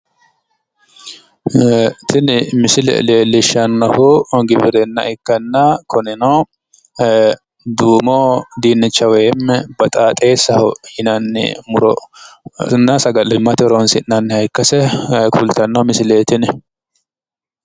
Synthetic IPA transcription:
t̪ʰɪnmɪsɪlɛ̰leːlːɪʃɐnːɐhʊɡɪbɪɾɛnːɐ̰ʔɪkːɐnːɐkʰɔnɪnɔ | d̪uːmod̪iːnːɪt͡ʃːɐwɛmːɛbɐt̪ʼaːt̪ʼeːsɐhhɪnɐnːɛ̰mʊɾɔ | nːɐsɐɡɐlɪmːɐt̪ɛɾɔnsɪnːɐnːhɐjkːɐsɛkʰult̪ɐnːɐmɪsɪleːt̪ɪn

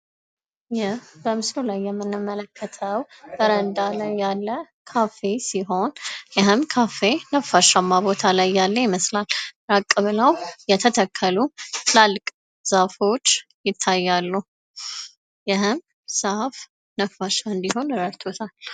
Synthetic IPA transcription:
jɪhbəmɨslulajːɛmːɨnːɨmːələkʰːət̪ʰəw | bəɾənd̪alajːalːə | kʰafe̞siɦo̞njɪɦɨmkʰafe̞nəfːaʃamːabo̞t̪ʰalajːalːəjɪməslalɾakʼːɨβɨləwjɛt̪ʰət̪ʰəkʰːəlulalːkʼ | z̥afo̞t͡ʃːjɪt̪ʰːajːalːu | jɪhɨm | saf | nəfːaʃaɨnd̪iɦo̞nɾəɾt̪ʰot̪ʰal

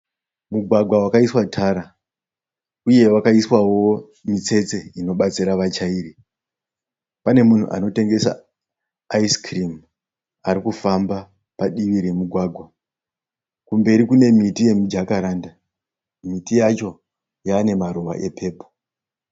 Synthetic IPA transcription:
muɡʱwaɡʱwawakaiswatʰaɾa | uje̞wakaiswawo̞ | mit͡se̞t͡se̞ino̞ɓat͡siɾaʋat͡ʃaiːɾi | pane̞mun̤ṵʔa̰no̞te̞ŋɡe̞sa̰ː | iskrim | aɾikufamba | paɗiʋiɾemuɡʱwaːɡʱwa | kumbe̞ɾikune̞mitije̞mud͡ʒakaɾaːnda | mitijat͡ʃo̞ | jaːne̞maɾuʋa̰ʔe̞pʰe̞ːpo

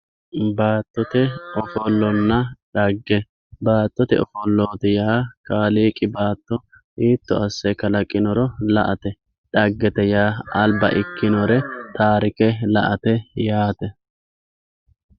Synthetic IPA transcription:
baːt̪ːɔt̪ɛɔfɔlːɔnːɐᶑɐɡːɛ | baːt̪ːɔt̪ɛ̰ɔfɔlːoːt̪ɛjaːkaːliːkʼɪbaːt̪ːɔ | ʔiːt̪ːɔ̰ɐsːɛkɐlɐkʼːɪnɔɾɔlɐ̰ʔɐt̪ɛ | ᶑɐɡːɛt̪ɛjaːɐlbɐ̰ʔɪkːɪnɔɾɛt̪aːɾɪkɛlɐʔɐt̪ɛjaːt̪ɛ

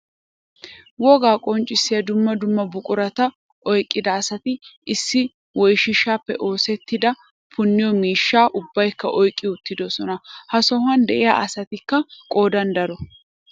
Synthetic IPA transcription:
wɔɡaːkʼɔnt͡ʃʼːɪsːɪjɐd̪ʊmːɐd̪ʊmːɐbʊkʼʊɾɐt̪ɐ | ʔɔjkʼːɪd̪ɐːsɐt̪ɪɪsːɪ | wɔjʃɪʃːaːpːɛ̰ʔo̞ːsɛt̪ːɪd̪ɐ | pʰʊnːɪjɔmiːʃːaːʔʊbːɐjkːɐʔɔjkʼːɪʊt̪ːɪd̪ɔsɔnɐhɐsɔɦɐnd̪ɛʔɪja̰ʔɐsɐt̪ɪkːɐkʼo̞ːd̪ɐnd̪ɐɾɔ

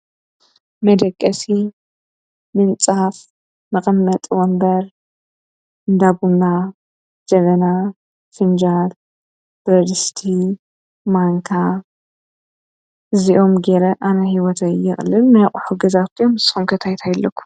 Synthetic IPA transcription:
mɐd̪ɐkʼːɐsi | mɨnt͡sʼaf | mɐxʼɐmːɐt̪ʼwɔmbɐɾ | ɨnd̪abunːa | d͡ʒɐβɐna | fɨnd͡ʒad | b̥ɾɐd̪ɨst̪ʰi | maŋkʰa | ɨziʔo̞mɡeɾɐʔanɐɦiwɔt̪ʰɐjɪxʼlːɨlnɨjɐkʼħuɡɐzawt̪ʰiomsxomkʰɐt̪ʰajt̪ʰajlːɐkʰʷːu̥m

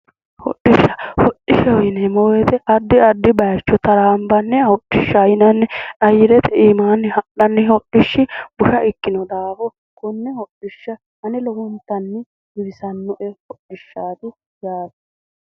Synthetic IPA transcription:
hɔ̰ɗːɪʃːɐhɔɗɪʃɐwɪnɛmɔwɛt̪ɛʔɐd̪ːɪɐd̪ːɪbɐjt͡ʃːɔt̪ɐɾaːmbɐnːɛɐɔɗːɪʃːɐjɪnɐnːɛɐjɪɾɛt̪ɛiːmaːnːɪhɐʔɐnːɪɔɗɪʃːɪb̥ʊʃɐʔɪkːɪnɔd̪aːfɔ | kʊnːɛhɔɗːɪʃːɐ | ɐnɪlɔhʊnt̪ːɐnːɪ | ɡɪɾɪsɐnːɔʔɛhɔɗɪʃːaːt̪ʊ | jaːt̪ɛ

